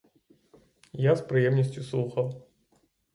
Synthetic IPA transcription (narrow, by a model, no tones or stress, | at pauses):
jaspɾɨjɛmnʲɐsʲt͡sʲjuslˠuxɐw